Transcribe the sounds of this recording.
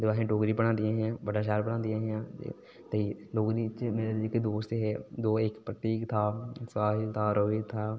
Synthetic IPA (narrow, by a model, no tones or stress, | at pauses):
d̪ɪʋaːɦẽːʈoːɡɾiːpəɽ̃ãːnd̪ijãːɦãːʋəɖaːʃaːlpəɽãːnd̪ijãːɦã̰ː | t̪əiːloːɡɾiːt͡ʃmeːɾeːd͡ʒiked̪oːst̪ɦɛːd̪oːɪkpɾət̪iːkt̪ʰaːsaːɦɪlt̪ʰaːɾəʋit̪ʰaː